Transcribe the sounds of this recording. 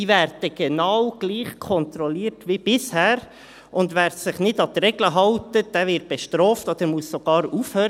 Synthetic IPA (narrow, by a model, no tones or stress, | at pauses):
iːvæːɾd̥əɡ̥enɑwɡ̥liːχkʰɔnt̪ɾɔliːɾtʋib̥ɪshæːɾ | ʊndʋæːɾsɪχnɪdɑt̪ɾɛɡləɦɑltəd̥æːvɪɾt̚b̥eʃtɾɔːftod̪əɾmuəssoɡ̥ɑːɾuːfhøːɾ